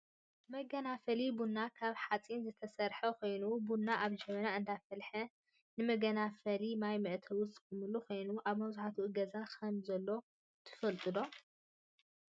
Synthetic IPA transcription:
mɐɡɐnafɐlibunːakʰaβħat͡sʼinzɨt̪ʰɐsɐɾħɐkʰo̞jnubunːaʔaβd͡ʒɛmɐnaʔɨnd̪afɐlħɐ | nɨmɐɡɐnafɐlimajmɐʔt̪ʰɐwʊst̪ʼɨmɨlːukʰo̞jnuʔaβmɐβzuħat̪ʰuʔɨɡɐzakʰɐmzɐlːo̞ | t̪ʰɨ̥fɐlt̪ʼɨd̪o̞

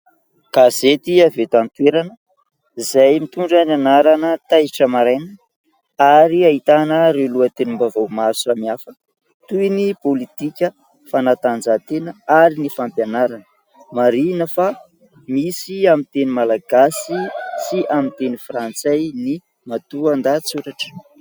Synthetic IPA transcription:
kazet̪iavet̪ant̪weɾanə | izajmit̪uɳɖ͡ʐənanaɾanət̪ajʈ͡ʂəmaɾanə | aɾiait̪anəɾeluət̪enimbavawmasamiafə̥ | t̪ujnipolit̪ikʲə | fanat̪and͡zat̪enəaɾinifampjanaɾanə | maɾinəfa | misiamint̪enimalaɡasisiʔamint̪enifrant͡sajni | mat̪uand̪at͡suɾaʈ͡ʂə̥

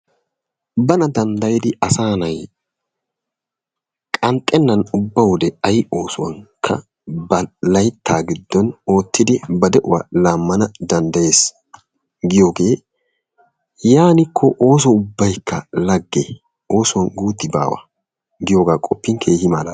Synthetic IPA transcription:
bɐnɐd̪ɐnd̪ɐjɪd̪ɪɐsaːnɐj | kʼɐnt̪ʼːɛnːɐnʊbːɐwʊd̪ɛɐjo̞ːsʊwɐ̰ŋkʰːɐ̰ | bɐlɐjt̪ʰːaːɡɪd̪ːɔno̞ːt̪ːɪd̪ɪbɐd̪ɛʔʊwɐlaːmːɐnɐd̪ɐnd̪ɐje̞ːs | ɡɪjoːɡe̞ː | jaːnɪkʰːɔʔo̞ːs̬ɔʊbːɐjkʰːɐlɐɡːḛ | o̞ːsʊwɐnɡuːt̪ːɪba̰ːwɐ̰ | ɡɪjoːɡaːkʼɔpːɪŋkʰe̞ːhɪmɐːlɐ

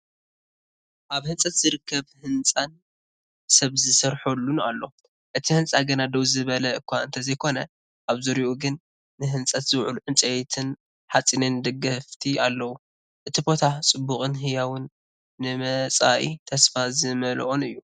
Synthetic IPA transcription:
ʔaβhɨnt͡sʼɐt̪z̥ɨɾɨkːɐβhɨnt͡sʼan | sɐβzɨsɐɾħolːuna̰lːo̞ | ʔɨt̪ʰihɨnt͡sʼaɡɐnad̪ɐwzɨβɐlɐɨkʷːaɨnt̪ʰɐzɐjkʰo̞nɐ | ʔaβzuɾiʔuɡɨn | nɨɦɨnt͡sʼɐt̪z̥ɨwʕṵluħɨnt͡sʼɐjt̪ʰɨn | ħat͡sʼinɨnd̪ɨɡɐft̪ʰialːɐwu | ʔɨt̪ʰibo̞t̪ʰat͡sʼɨbːuχʼɨnɦɨjawʊnː | ɨmɐt͡sʼaʔḭt̪ʰɐsfazɨmɐlʔonɨjːu

